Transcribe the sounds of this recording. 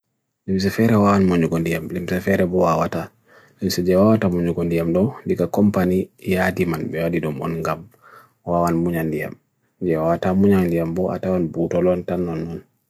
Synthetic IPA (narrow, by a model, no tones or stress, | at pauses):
limsɛfɛɾɛwawanmoɲuɡɔndijamlimsɛfɛɾɛbɔwawata | limsɛd͡ʒɛwawatamoɲuɡɔndijamdɔwndikakɔmpanijadimanbɛwadidɔmɔ̰nŋɡam | wawanmuɲandija̰m | d͡ʒɛwawatamuɲaŋdijambɔʔa̰tawɔnbutɔlɔntanːɔnːɔn